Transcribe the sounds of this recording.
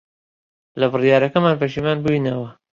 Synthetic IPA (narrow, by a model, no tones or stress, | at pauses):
lɐbɨrijaːɾɐkɐmaːnbɐʃimaːnbuinɐwɐ